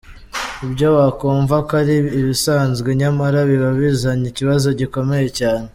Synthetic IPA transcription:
ibɟowakoːɱvakaɾiːβisaːnzɡeɲamaɾaβiβaβizaɲiciβazo̞ɟiko̞me̞je̞caːne

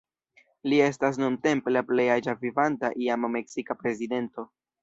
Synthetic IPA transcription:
lie̞stas̬nunte̞mpe̞laple̞jad͡ʒavivantaʔiamːe̞ksikapɾe̞zide̞nto̞

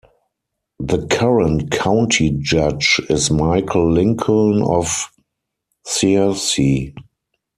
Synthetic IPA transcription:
ðəkʰaɹə̃ntkʰãʊ̃ntʰid͡ʒad͡ʒɪsmaɪkʰl̩lɪ̃ŋkʰnɔf | sisi

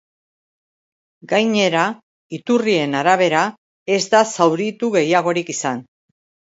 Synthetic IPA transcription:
ɡajɲe̞ɾa | it̪urie̞naɾaβ̞e̞ɾa | e̞zd̪asawɾit̪uɣe̞jaɣ̞o̞ɾikisan

